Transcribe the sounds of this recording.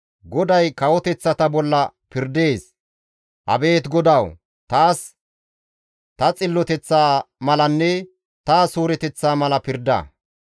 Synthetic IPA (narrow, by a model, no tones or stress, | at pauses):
ɡɔd̪ɐjkɐwɔt̪ɛt͡sːɐt̪ɐbɔlːɐpɪɾd̪e̞ːs | hɐ̰be̞ːt̪ɡɔd̪ɐw | t̪aːs | t̪ɐt͡sʼɪlːɔt̪ɛt͡sːaːmɐlɐnːɛ | t̪aːsuːɾɛt̪ɛt͡sːaːmɐlɐpɪɾd̪ɐ̰